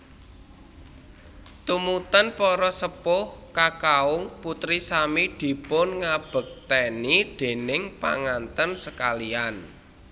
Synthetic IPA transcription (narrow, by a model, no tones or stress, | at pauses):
t̪umut̪ənpɔɾɔsəpʊhkakaʊŋput̪ɾisamid̪̥i̤pʊnŋab̥ə̤k̚t̪enid̪̥e̤nɪŋpa̰ŋant̪ənsəkalian